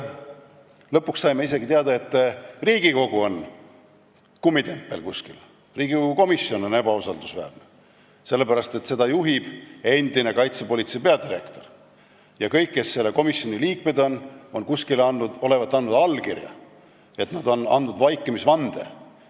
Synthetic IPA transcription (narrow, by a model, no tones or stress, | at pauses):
lɤpːˑuksːɑjmeise̞ɡ̥it̪eɑd̪̥ɑe̞t̪ːriːɡ̥iko̞ɡ̥uo̞n | kumːit̪e̞mpːe̞lkusʲkḭl | riːɡ̥iko̞ɡ̥uko̞misːjo̞no̞ne̞bɑusɑld̪usvæ̰ːrne | se̞lːe̞pæɾɑst̪e̞t̪se̞d̪̥ɑjuɦib̥e̞nd̪̥ine̞kɑjt̪sepo̞lʲit̪se̞peɑd̪iɾe̞kt̪o̞r | jɑkɤjkːe̞sːelːeko̞misːo̞nʲiliːkme̞d̪o̞no̞nkuskilɑnːud̪o̞le̞vɑt̪ːɑnːud̪ɑlkirjɑ̰ | e̞t̪nɑd̪̥o̞nɑ̰nd̪ud̪vɑjkːˑemisvɑnd̪̥e̞̰